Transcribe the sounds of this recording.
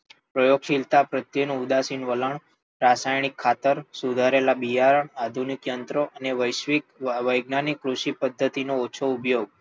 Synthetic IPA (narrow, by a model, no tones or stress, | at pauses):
pɾəjoɡʃilt̪apɾət̪jənũud̪asiɳʋələɳ | ɾasajɳikʰːat̪əɾsud̪ʱaɾelabijaɾəɳad̪ʱunikjənt̪ɾoʔəneʋəjʃʋikʋəjɡnanikːɾuʃipəd̪ʱːət̪inoːt͡ʃʰoupjoɡ̚